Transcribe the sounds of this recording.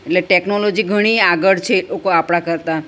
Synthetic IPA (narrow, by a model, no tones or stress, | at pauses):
eʈleʈeknolod͡ʒiɡʱəɽ̃iaɡəɽt͡ʃʰeokoapɽ̃akəɾt̪a